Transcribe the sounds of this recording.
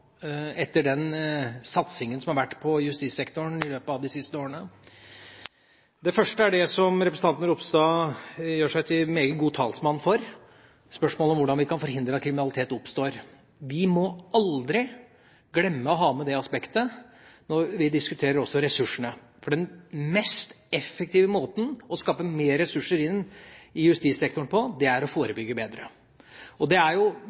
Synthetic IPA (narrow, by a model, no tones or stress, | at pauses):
ɛt̪ːəɖɛnsɑt̪sɪŋənsɔmhɑɾʋæʈːpʰɔjʉst̪iːsɛkt̪ʊɳɪløːpəɑʋd̪ɪsɪst̪əoːɾənə | d̪ɛfœʂʈəæɖɛsɔmɾɛpɾəsn̩ɑnt̪ənəɾʊpst̪oːjøːʂæɪt̪ʰɪmeːɡəɡuːt̪ʰɑːlsmɑnːfɔɾ | spœʂmoːləɔmʋʊɖɑnʋɪkɑnfɔɾɦɪnd̪ɾəɑt̪̚kʰɾɪmɪnɑlɪt̪ʰeːt̪ʊpst̪oːɾ | ʋɪmɔʔɑld̪ɾɪ | ɡlɛmːəɔɦɑːmɛd̪ɛɑspɛkt̪ə | nɔɾʋɪd̪ɪskʉt̪ʰeːɾəɾɔsːɔɾɛsʉʂːəɳə | fɔɖɛnmɛst̪ | ɛfːək̚t̪ʰiːʋəmoːt̪n̩ɔskɑːpəmeːɾɛsʉʂːəɾɪnːɪjʉst̪iːsɛk̚t̪ʊɳpʰɔd̪ɛæɾɔfoːɾəbʏɡːəbeːd̪ɾə | ɔd̪ɛæɾjʊ